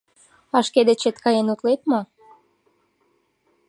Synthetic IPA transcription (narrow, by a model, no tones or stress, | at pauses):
ɑʃked̪et͡ɕet̪kɑjenut̪let̪mo